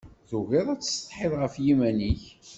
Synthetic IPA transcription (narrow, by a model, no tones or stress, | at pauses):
ðuɣɪðˤæt͡sːst̪ˤħɪðʁəfjimæniç